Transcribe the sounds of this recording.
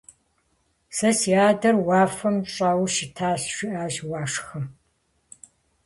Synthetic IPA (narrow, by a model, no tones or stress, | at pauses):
sɐsiaːdɐrwaːfɐmʈ͡ʂʼaːwʃɪtʰaːɕʂʷiʔaːʒwaːʂxɐm